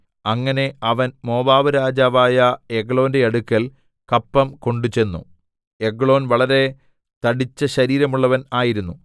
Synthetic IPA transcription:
ɐŋːɐne̞ɐʋɐnmo̞ːbaːʋɐɾaːd͡ʑaːʋaːjɐeɡɭo̞ːnde̞ɐɽukːɐl | kɐpːɐmko̞ɳɖut͡ɕe̞nːṵ | eɡɭo̞ːnʋɐɭɐɾe̞ | t̪ɐɽit͡ɕːɐɕɐɾiːɾɐmuɭːɐʋɐnaːjiɾunːu

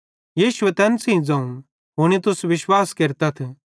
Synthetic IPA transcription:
jiːʃʊʋɛt̪ɛːnsɦĩd͡zãːũ | ɦʊñit̪ʊsʋɪʃwaːskeːɾt̪at̪ʰe

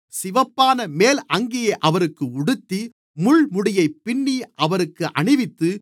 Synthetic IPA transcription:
sɪʋɐpːaːnɐmeːlɐŋɡejɐʔɐʋɐɾɯkːɯʊɽɯt̪ːi | mʊɻmʊɽɪjɐɪpːɪɳːiʔɐʋɐɾɯkːɯʔɐɳɪʋɪt̪ːɯ

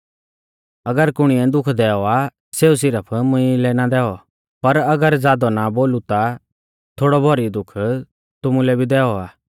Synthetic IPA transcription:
ɐɡəɾkʊɽ̃iɛ̃d̪ʊkʰd̪ɛːɔa | seːus̬ɪɾəpʰmʊ̃ĩlɛnad̪ɛːɔ | pɐɾɐɡəɾzaːd̪ɔnaboːlut̪a | t̪ʰoːɽɔbʱɔɾid̪ʊkʰ | t̪ʊmũlɛbʱid̪ɛːɔaː

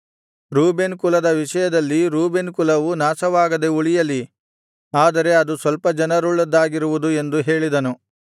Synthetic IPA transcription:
ɾuːbenkulɐd̪ɐʋiʂɐjɐd̪ɐlːiɾuːbenkulɐʋunaːsɐʋaːɡɐd̪e̞uɭijɐlːi | aːd̪ɐɾe̞ɐd̪usʋɐlpɐd͡ʒɐnɐɾuɭːɐd̪ːaːɡiɾuʋud̪ue̞nd̪uɦe̞ːɭid̪ɐnu

